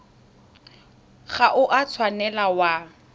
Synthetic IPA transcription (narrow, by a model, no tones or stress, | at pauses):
ɣaʔʊʔat͡sʰwanɛlawa